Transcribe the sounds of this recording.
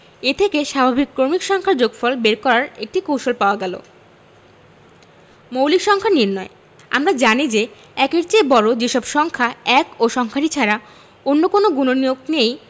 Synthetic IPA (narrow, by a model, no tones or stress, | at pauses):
et̪ʰekeʃabʱabikːɾoɾmikʃɔŋkʰaɾd͡ʑoɡfɔlbeɾkɔɾaɾek̚ʈikowʃolpaoaɡɛlo̰ | mowlikʃɔŋkʰaniɾnɔe | a̰mɾad͡ʑanid͡ʑe | ɛkeɾt͡ɕebɔɾod͡ʑeʃɔbʃɔŋkʰaɛkoʃɔŋkʰaɾit͡ɕʰaɾa | onːokonoɡunonijoɡ̚nej